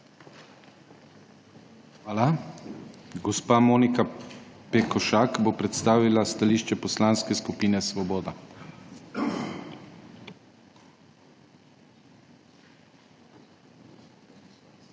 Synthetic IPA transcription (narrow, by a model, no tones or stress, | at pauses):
xʋaːla | ɡɔspaːmoːnikapɛkɔʃakbopɾɛt̪st̪aːʋilast̪aliːʃt͡ʃɛpɔslaːnskɛskupiːnɛsʋɔbɔːd̪a